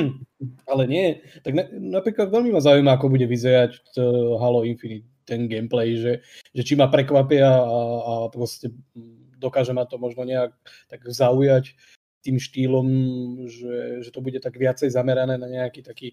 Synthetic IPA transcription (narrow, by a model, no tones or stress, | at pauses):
alɛɲɪɛt̪aɡnɛnapɾiːklad̪ʋɛlmimazaujmaakɔbuɟɛʋizɛɾac | ɦalɔinfinit̪ːɛnɡɛmplɛjʒɛʒɛt͡ʃimapɾɛkʋapɪaːpɾɔscɛ | d̪ɔkaːʒɛmat̪ɔmɔʒnɔɲɛak̚t̪aɡzaujac | t̪iːmʃt̪iːlɔmʒɛʒɛt̪ɔbuɟɛt̪aɡʋɪat͡sɛjzamɛɾanɛːnaɲɛakiːt̪akiː